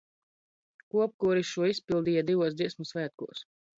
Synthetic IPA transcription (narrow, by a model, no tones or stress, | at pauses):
kuɔp̚kuɾiʃuɔispʲilˠd̪iːjad̪ivuɔsd̪ziɛsmusʋæːt̪̚kṵɔs